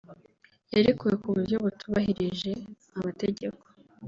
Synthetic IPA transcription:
jeɾekuje̞kuβuɾɟo̞βutuβahiɾiʒe̞ | amateɟe̞ko̥

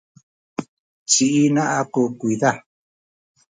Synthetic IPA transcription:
t͡ʃiʔinãʔakokʷiða

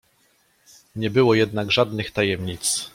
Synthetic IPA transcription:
ɲɛbɘwɔjɛd̪naɡʐad̪nɘxt̪ajɛmɲit̪s

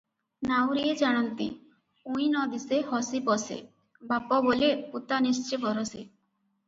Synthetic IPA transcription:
nawɾied͡ʒaɽ̃ɔnt̪ḭ | uj̃nɔd̪isehɔsipɔsḛ | bapɔboleput̪anist͡ʃebɔɾose

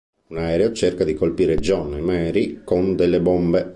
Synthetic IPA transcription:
unaɛːɾeot͡ʃerkad̪ikolpiːɾed͡ʒɔnːemɛːɾikond̪elːebombe

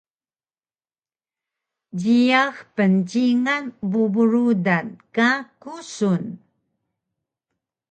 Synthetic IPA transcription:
ɟiaxpənɟiŋanbubuɾudankakusun

